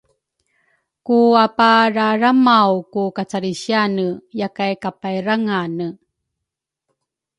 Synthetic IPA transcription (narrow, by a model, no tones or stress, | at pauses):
kuapaɾaɾamawkukat͡saɾiɕianəjakajkapajɾaŋanə